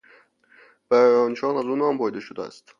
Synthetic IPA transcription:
bæɾɾɒːnʃɒːnæzuːnɒːmbɒjd̪eʃod̪ææ̰st̪

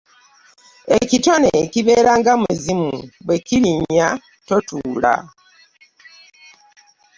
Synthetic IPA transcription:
ecito̞neciβe̞ːɾaŋɡamuzimuβwekiɾiɲːa | to̞tuːla̰

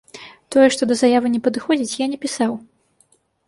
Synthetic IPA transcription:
t̪ɔjɛʂt̪ɔd̪ɐzajavɨnʲɛpɐd̪ɨxɔd͡zʲit͡sʲjanʲɛpʲisaw

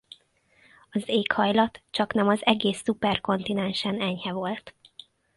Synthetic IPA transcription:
ɒzeːkhɒjlɒt̪t͡ʃɒknɛmɒzɛɡeːsːupɛrko̞nt̪inɛnʃɛnɛɲhɛvo̞lt̪

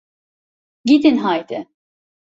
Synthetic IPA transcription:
ɟid̪inɦajd̪ɪ

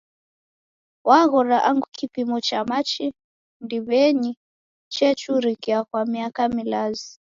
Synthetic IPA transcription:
waɣɔɾaʔaŋɡukʰipimɔt͡ʃamat͡ʃi | ndiβɛɲi | t͡ʃɛt͡ʃuɾikiakwamiakamilazi

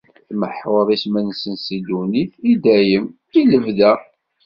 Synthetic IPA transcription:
θməħwəɾˤismænsənsid̪uniθid̪æjəm | iləvðæ

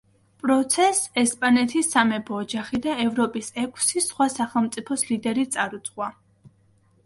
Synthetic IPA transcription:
pʼɾɔt̪sʰɛsɛspʼanɛt̪ʰisːamɛbɔːd͡ʒaχid̪aɛvɾɔpʼisɛkʷʰsisχwasaχɛlˠmt̪sʼipʰɔslid̪ɛɾit̪sʼaɾut̪sʼʁwa

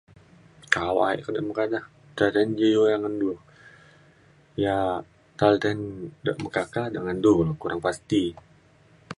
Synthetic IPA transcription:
kawa̰ɛ̰ʔkadaʔməkadah | t̪alt̪ɛnd͡ʒəjojaŋandul | ja | t̪alt̪ɛndaʔməkakadəŋandulkuɾaŋpast̪i

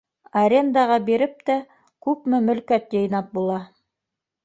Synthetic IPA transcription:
ɐɾʲe̞nd̪ɑʁɑbiɾɘp̚t̪æ | kʉpmɘmɵ̆lkæt̪jɤ̆jnɑp̚bulˠɑ

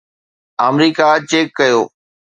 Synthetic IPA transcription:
aːmɾiːkat͡ɕeːkːɐjoː

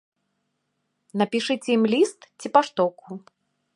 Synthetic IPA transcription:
nɐpʲiʂɨt͡sʲɛjimlʲist̪t͡sʲipaʂt̪ɔku

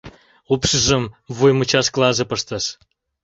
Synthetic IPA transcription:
upʃəʒə̆mvujmət͡ɕɑʃklˠɑzɤ̆pəʃt̪əʃ

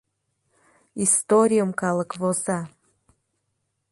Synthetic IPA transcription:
ist̪oɾʲijəmkɑlˠəkvoza

